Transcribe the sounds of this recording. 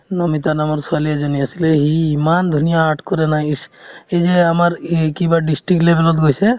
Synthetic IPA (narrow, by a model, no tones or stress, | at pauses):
nɔmit̪anamɔɾsualiad͡ʒɔnijasileɦiːmand̪ʱunijaːʈʰkɔɾenaised͡ʒeamaɾkibaɖisʈɾik̚ʈlebelɔt̪ɡojsʰe